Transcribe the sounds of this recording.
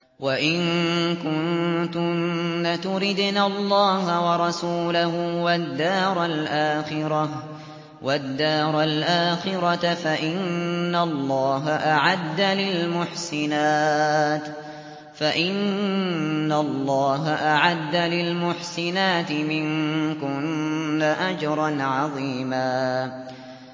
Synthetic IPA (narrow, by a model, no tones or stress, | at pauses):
waʔɪnkʊnt̪ʊːat̪ʊɾɪd̪nalˤːɑːhawɑɾˤɑsuːlahʊwad̪ːaːɾˤalʔaːxɪɾˤɑ | wʔad̪ːaːɾˤalʔaːxɪɾɑt̪faʔɪnːalˤːɑːɦaʔaʕad̪ːalɪlmʊħsɪnaːt̪ | faʔɪnː | alˤːɑːɦaʔaʕad̪ːalɪlmʊħsɪnaːt̪ɪmɪnkʊnːaʔad͡ʒɑɾˤɑnʕɑðˤiːmaː